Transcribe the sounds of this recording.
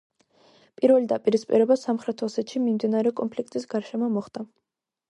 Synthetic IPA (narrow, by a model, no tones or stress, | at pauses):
pʼiɾvɛlid̪apʼiɾispʼiɾɛbasamχɾɛt̪ʰɔsɛt̪ʃimimd̪inaɾɛɔkʼɔnpʰlik̚ʰt̪ʼisɡaɾʃɛmɔmɔχd̪a